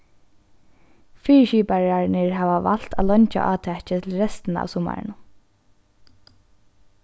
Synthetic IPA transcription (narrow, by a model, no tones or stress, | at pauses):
fiːɹʃiːpaɹaɹnɪɹɦaːʋaʋa̰l̥t̪alœɲt͡ʃa̰ʔɑːt̪ʰɛt͡ʃɪt̪ʰɪlɹɛst̪ɪna̰ʋsʊma̰ɹ̰nʊ